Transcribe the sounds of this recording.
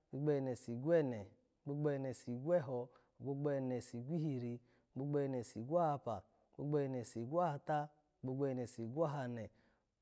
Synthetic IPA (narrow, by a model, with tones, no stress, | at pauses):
ɡ͡bu˦ɡ͡bɛ˦˨nɛ˨si˨ɡʷɛ˦˨nɛ˨ | ɡ͡bu˦ɡ͡bɛ˦˨nɛ˨si˨ɡʷɛ˦ɦɔ˧˨ | ɡ͡bo˦ɡ͡bɛ˦˨nɛ˨si˨ɡʷi˦hi˧ɾi˧˨ | ɡ͡bu˦ɡ͡bɛ˦˨ne˨si˨ɡʷa˦ha˧pa̰˨ | ɡ͡bu˦ɡ͡bɛ˦˨nɛ˨si˨ɡʷa˦a˧ta˦˨ | ɡ͡bu˦ɡ͡bɛ˦˨nɛ˨si˨ɡʷa˦ɦa˧nɛ˨